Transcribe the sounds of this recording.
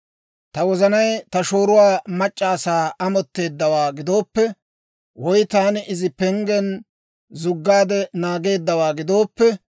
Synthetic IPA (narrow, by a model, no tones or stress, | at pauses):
t̪ɐwɔzɐnɐjt̪ɐʃoːɾʊwaːmɐt͡ʃʼːaːsaːʔɐmɔt̪ːe̞ːd̪ːɐwaːɡɪd̪o̞ːpːɛ | wɔjt̪aːnɪʔɪzɪpɛŋɡɛn | zʊɡːaːd̪ɛnaːɡe̞ːd̪ːɐwaːɡɪd̪o̞ːpːɛ